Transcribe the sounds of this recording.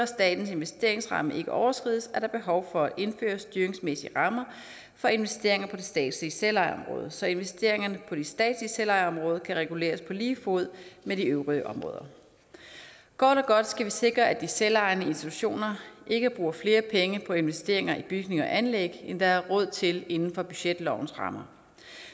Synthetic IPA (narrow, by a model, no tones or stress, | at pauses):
ɐsd̥ɛ̰ːd̥n̩se̝nʋesd̥e̝ɐe̝ŋsʁɑ̈məʔe̝ɡ̥əʔɒʊɐsɡ̥ʁiðˠsæɐɾ̥ɑ̈b̥e̝ɦɒʊfɒ̽æʔe̝nfø̰ːɐsd̥yːɐʁeŋsmesiəʁɑ̈mɐ | fɒ̽e̝nʋesd̥e̝ɐe̝ŋɐpʰɒ̽d̥esd̥ɛ̰ːd̥siselɑ̈ɪɒ̽mʁɔ̰̽ːð̞̩ˠsɒ̽e̝nʋesd̥e̝ɐ̰e̝ŋɐnəpʰɒ̽d̥isd̥ɛ̰ːd̥siselɑ̈ɪɒ̽mʁɔːð̞ˠəkʰæʁɛɡ̥ule̝̰ːɐspʰɒ̽liːfo̝ð̞̰ˠmeɾiøʊʁiəʔɒ̽mʁɔ̰̽ːðˠɐ | ɡ̥ɒd̥ɒɡ̥ɒ̽d̥sɡ̥æʋise̝ɡ̥ʁɐʔæd̥iselɑ̈ɪnəe̝nsd̥it͡sʰu̥ɕo̝̰ːnɐʔe̝ɡ̥əb̥ʁuːɐfle̝ːɐpʰeŋəpʰɒ̽e̝nʋesd̥e̝̰ɐ̰eŋɐʔib̥yɡ̥ne̝ŋɒ̽ʔænleɡ̥end̥ɑ̈æɐʁɔ̽ð̞̰ˠt͡sʰe̝le̝nn̩fɒ̽b̥yɕed̥lɒʊn̩sʁɑ̈mɐ